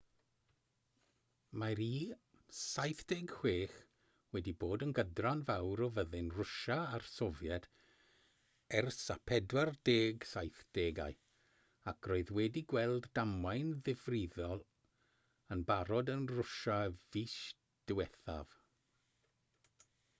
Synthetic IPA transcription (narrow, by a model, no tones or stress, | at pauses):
maɾiː | sajθd̥eːɡhweːχ | wɛdiboːdənɡədranvawɾɔvəðɨnrʊʃaarsɔvjɛd̥ | ɛrsa̰pʰɛdwardeːɡsajθd̥eːɡa̰ɨ | akʰroːɨðwɛdiɡwɛlˠdːamajnðɪvrɪðɔlˠ | ənbaɾɔdənrʊʃaviʃ | d̥wɛθa̰v̥